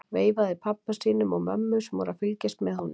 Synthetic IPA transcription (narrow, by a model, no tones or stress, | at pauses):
veːjvaðɪpʰapːasiːnʏmɔɣmœ̰mːʏsɛmvɔ̰ɾafʏlcɪst̪mɛðhɔnːʏm